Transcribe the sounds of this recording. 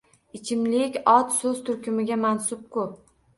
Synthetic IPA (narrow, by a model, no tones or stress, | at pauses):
ɪt͡ʃʰɪmlɪkʲɒt̪sɵz̥t̪ʰʊɾkʲʰɪmɪɡʲamansʊp̚kʰʊp̚